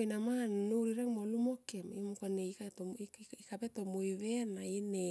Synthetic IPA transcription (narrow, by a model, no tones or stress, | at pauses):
jnamannuɾiɾaŋmolumo̞kemimukoneikatoikapeto̞mojβe̞naine